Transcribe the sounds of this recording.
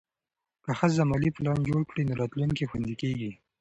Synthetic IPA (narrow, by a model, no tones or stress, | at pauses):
kəxəzamɑliplɑnd͡ʒoɽkɽinoɾɑt̪luŋkixwand̪ikeɡi